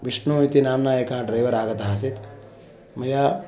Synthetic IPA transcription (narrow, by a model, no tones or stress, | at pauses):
ʋiʃnuit̪inaːmnaeːkãɖɾaːjʋɐɾaːɡɐt̪ɦãsit̪ | mɐja